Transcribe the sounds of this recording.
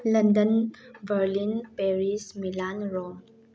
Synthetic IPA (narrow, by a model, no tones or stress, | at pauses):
ləndənbəɾlinpeɾismilanɹɔm